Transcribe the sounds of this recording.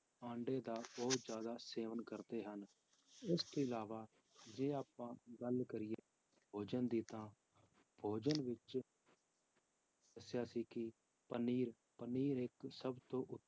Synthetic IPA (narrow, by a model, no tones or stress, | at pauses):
ãːɳɖeːd̪aːbɔːʊt̪zjaːd̪aːseːʋənkəɾd̪eːɦən | ɪst̪oːɪlaːʋaː | d͡ʒeːaːpãːɡəlkəɾɪjeː | bʱoːd͡ʒənd̪iːt̪ãː | bʱoːd͡ʒənʋɪt͡ʃ | əsjaːsiːkɪ | pəniːɾ | pəniːɾɪksəbt̪õːʔʊ